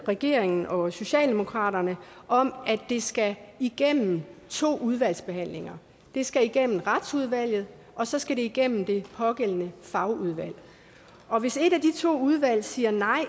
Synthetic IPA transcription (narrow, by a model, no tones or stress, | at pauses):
ʁɛɡ̥e̝̰ɐ̰eŋn̩ɒ̽so̝ɕɛ̰ːld̥e̝mo̝kʰʁɑ̰̈ːɾɐnə | ʔɒ̽mæd̥e̝sɡ̥æiɡ̥en̰m̩t͡sʰo̝̰ːuð̞ˠʋæl̰sb̥e̝ɦæn̰le̝ŋɐ | d̥e̝sɡ̥æiɡ̥en̰m̩ʁɑd̥suð̞ˠʋæl̰jð̩ˠ | ʔɒ̽sɒ̽sɡ̥æɾe̝iɡ̥en̰m̩d̥e̝pʰɒ̽ɡ̥el̰nəfɑ̈ʊuð̞ˠʋæl̰ | ɒ̽ʋe̝se̝dæd̥it͡sʰo̝̰ːuð̞ˠʋæl̰siːɐnɑ̈ɪ̰